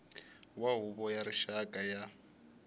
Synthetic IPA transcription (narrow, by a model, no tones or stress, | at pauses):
waɦuβɔjaɾiʃakʼaja